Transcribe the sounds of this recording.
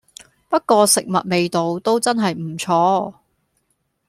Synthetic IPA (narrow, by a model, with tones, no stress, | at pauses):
pɐ˥t̚kɔː˧sɪ˨k̚mɐ̰˨t̚me˨jt̪o˨wt̪o˥wt͡sɐ˥nɦɐ˨jm̩˨˩t͡sʰɔː˧